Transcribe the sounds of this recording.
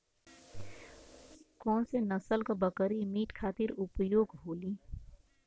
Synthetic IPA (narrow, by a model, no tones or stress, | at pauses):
kɔːnsenəsəlkabəkəɾimiːʈkʰaːt̪ɪɾʊpjoːɡɦoːliː